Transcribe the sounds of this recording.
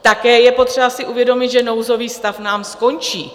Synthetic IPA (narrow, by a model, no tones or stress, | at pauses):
t̪akɛːjɛpo̞t̪r̝̥ɛbasɪʔuvjɛdo̞mɪd̪ʒɛno̞wzo̞viːst̪afnaːmsko̞nt͡ʃiː